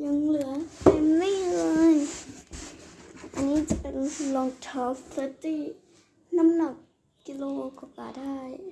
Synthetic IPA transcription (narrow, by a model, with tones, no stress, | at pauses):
ɲa˧˦ŋlɯ˨˩˦ɐpa˨˧˩mliː˥˩˨lɤː˧˥j | ʔa˨˧˨niː˦˥t͡ɕa˧˩pe˨˩n˧lɔ˧˦ŋt̪ʰɔː˧˥fʰlə˧˥t̪iː˥˩ | na˧˥˨mna˧˩k̚ː | i˧loː˧kɔ˧˩ka̰ː˨˧˩da˥˩j